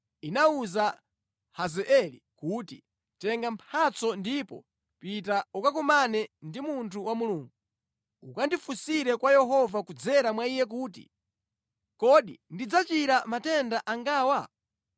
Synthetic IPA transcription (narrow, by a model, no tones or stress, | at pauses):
inauza | hazɛʔɛlikuːtḭ | tɛŋɡampʰat͡sɔndipɔ̰ | pitaukak̬umanɛndimuntʰuwamuluːŋɡu | ukandifusiɾɛkwajɛɦɔvakud͡zɛɾamwaijɛk̬uːtḭ | kɔɗḭndid͡zat͡ʃiɾamatɛndaʔaŋɡaːwa